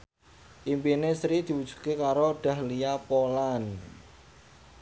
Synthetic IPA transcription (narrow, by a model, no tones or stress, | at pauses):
ʔimpinesɾid̪̥i̤wud̥ʒ̥u̥kekaɾoɖ̪̥a̤hliapolan